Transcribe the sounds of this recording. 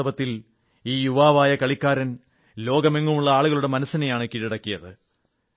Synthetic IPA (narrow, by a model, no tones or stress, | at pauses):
ɐbɐt̪ːil | iːjuʋaːʋaːjɐkɐɭikːaːɾɐn | lo̞ːɡɐmeŋːumuɭːɐaːɭuɣɐɭuɽe̞mɐnɐsːɐnɐjaːɳɨkiɻiɽɐkːijɐðɨ